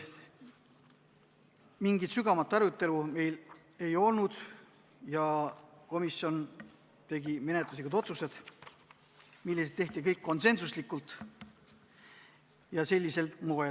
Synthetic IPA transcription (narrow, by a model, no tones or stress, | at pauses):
miŋɡit̪syɡ̥ɑmɑt̪ːˑɑɾut̪ːˑe̞lume̞jl | e̞jo̞lnud̪̥ | jɑko̞misjo̞n | t̪e̞ɡime̞net̪luslikud̪o̞t̪suse̞d̪̥ | milːeset̪ːe̞ht̪ik̬ɤjkːo̞nse̞nsuslikːult̪ˑ | jɑse̞lʲːise̞lt̪moe